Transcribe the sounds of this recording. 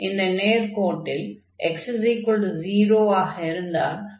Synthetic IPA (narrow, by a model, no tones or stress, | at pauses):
ɪnd̪ɐneːɾkoːʈːɪl | eksziːkoɭɖziːɾoːaːɣɐɪɾɯnd̪a̰ːɾ